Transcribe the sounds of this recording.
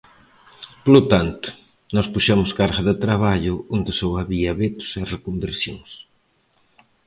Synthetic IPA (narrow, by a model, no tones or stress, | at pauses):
polʊt̪ant̪ʊ̥ | nɔspuʃɛmʊskaɾɣɐðɪt̪ɾaβaʎʊond̪ɪsowaβiɐβet̪ʊ̥serekombeɾsjõ̰ŋs